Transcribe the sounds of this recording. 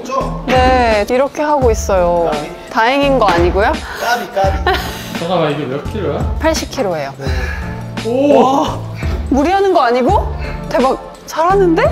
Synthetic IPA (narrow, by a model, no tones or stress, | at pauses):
one̞iɾʌkʰe̞ɦaɡois͈ʌjo | taɦeŋinɡʌaɲiɡojo | t͡ɕʌɡamaiɡɯmjʌkʰiɾoapʰaɭɕ͈ip̚kʰiɾoe̞jo | a | muɾiɦanɯnɡʌaɲiɡotemak̚ | t͡ɕʰaɾɦanːɯnde̞